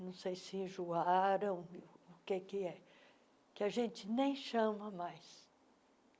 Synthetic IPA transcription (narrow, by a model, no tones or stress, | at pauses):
nɐ̃w̃sejsɪĩʒuaɾɐ̃w̃ʊkekɪɛ | kɪaʒẽnt͡ʃɪnẽj̃ʃɐ̃mɐmajs